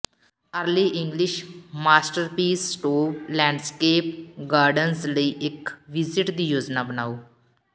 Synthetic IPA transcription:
əɾliːʔɪŋɡlɪʃmaːsʈəɾpiːsːʈoːplɛ̃ːɳɖskeːp̚ɡaːɾɖənsləiːʔɪkʋɪzɪʈd̪iːjoːd͡ʒnaːbənaːoː

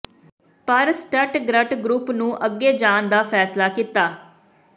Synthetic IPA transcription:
pəɾsʈəʈɡɾəʈɡɾuːpnũːʔəɡːeːd͡ʒaːnd̪aːfʰɛːslaːkit̪aː

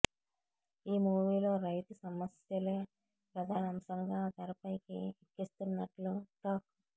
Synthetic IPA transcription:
iːmuːʋiːlo̞ːɾɐjt̪usɐmɐsjɐleː | pɾɐd̪ʱaːnɐmsɐŋɡaːt̪ɐɾɐpɐjkḭikːist̪unːɐʈluk̪aːku

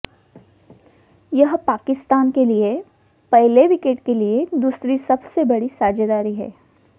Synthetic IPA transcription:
jɐɦpaːkɪst̪aːnkelie | pɛɦleʋɪkeʈkelied̪uːsɾisɐbsebɐɽisaːd͡ʒed̪aːɾiɦɛ̰ː

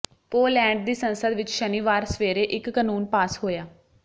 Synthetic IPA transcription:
poːlɛ̃ːɳɖd̪iːsənsəd̪ʋɪt͡ʃʃəniːʋaːɾsəʋeːɾeːʔɪkːanuːnpaːsɦoːjaː

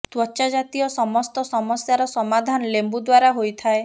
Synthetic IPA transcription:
t̪wɔt͡ʃad͡ʒat̪iɔsɔmɔst̪ɔsɔmɔsjaɾɔsɔmad̪ʱanlembud̪waɾaɦojt̪ʰae

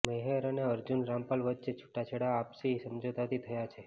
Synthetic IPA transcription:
meɦeɾəneəɾd͡ʒunɾãmpalʋətːt͡ʃet͡ʃʰu̥ʈːat͡ʃʰeɽaːpsisəmd͡ʒod̪at̪it̪ʰəjat͡ʃʰe

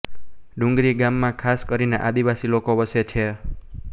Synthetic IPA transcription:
ɖũŋɡɾiɡamːãkʰaskəɾineʔad̪iʋasilokoʋəset͡ʃʰe

